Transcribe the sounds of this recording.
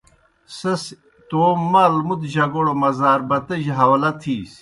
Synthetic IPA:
sɐs | t̪oːmːɐlmud̪ʑɐɡoɽomɐzaːɾbɐt̪ɐʑɦɐwlɐt̪ʰiːs

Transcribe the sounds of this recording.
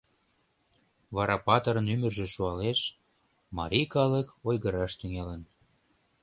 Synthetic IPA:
βɑɾɑpɑt̪əɾənymərʒĕʃuɑleʃ | mɑ̰ɾʲikɑləkojɣəɾɑʃt̪yŋelən

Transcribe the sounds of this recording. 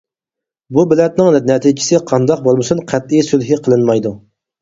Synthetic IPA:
bubɪlɛt̪nɪŋnɛt̪ʰid͡ʒɪ̥sɪqʰɑnd̪ɑq̚bolˠmɨsunqʰæt̪ijsylɦiqʰəlˠɨnmɑjd̪u

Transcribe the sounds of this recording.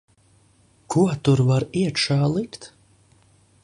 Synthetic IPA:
kʰuɔt̪uɾvaɾiɛt̪ʃaːlˠikt̪

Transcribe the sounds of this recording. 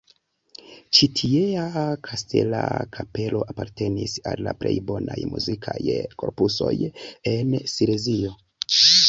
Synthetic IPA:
t͡ʃitʰieakʰaste̞lakʰape̞lo̞ʔapaɾte̞nisalːaple̞̰jbo̞najmuzikʰajko̞ɾpuso̞je̞nsiɾezio̞

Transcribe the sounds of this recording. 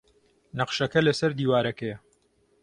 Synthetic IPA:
nɐqʃɐkɐlɐsɐɾd̪iːwaːɾɐkɐjɐ

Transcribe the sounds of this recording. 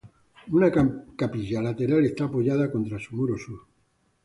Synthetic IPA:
unakapiʝalat̪e̞ɾale̞st̪aːpoʝaðako̞nt̪ɾasumuɾosuɾ

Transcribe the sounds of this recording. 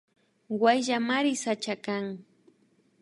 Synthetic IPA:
wajʒamaɾɪsat͡ʃakaŋ

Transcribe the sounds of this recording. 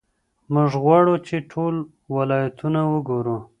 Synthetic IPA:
mʊʐɣwaɽot͡ʃeʈʰol | walɑjat̪unawəɡoɾu

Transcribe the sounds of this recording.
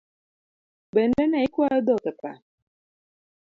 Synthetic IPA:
ben̩enaikuajɔdɔkepa̰

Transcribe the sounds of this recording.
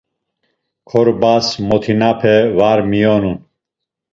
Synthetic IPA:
kʰɔɾbasmɔt̪ʰinapʰɛvaɾmijɔnun

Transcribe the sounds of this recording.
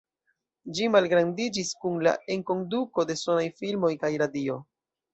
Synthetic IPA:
d͡ʒimalɡɾandid͡ʒiskunla̰e̞ŋko̞nduko̞de̞so̞najfilmo̞jkajɾadio̞

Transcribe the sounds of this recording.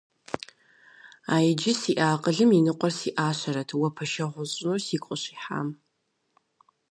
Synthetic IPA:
aːjɪd͡ʒɪsiːʔaːqʼəɮɨminɨqʷʼɔrsiʔaːɕɐɾɐtʰwɐpʰɐʃɐʁʷʊzʼnursiːkʷʼʊɕiːħa̰ːm

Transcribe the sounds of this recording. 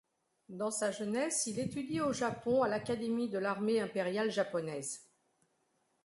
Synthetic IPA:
d̪ɑ̃saʒənɛsilet̪yd̪ioʒapɔ̃alakad̪emid̪əlaʁmeɛ̃peʁjalʒapɔnɛz

